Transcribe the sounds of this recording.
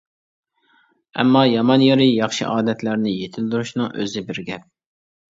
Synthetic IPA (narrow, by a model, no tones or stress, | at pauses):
ɛ̰mːɑjɑmɑnjeɾɪjɑχʃḭʔɑːd̪ɛt̪ʰlæɾnɪjet̪ʰɪld̪uɾuʃnɨŋʔø̰zɪbɪɾɡʲɛp̚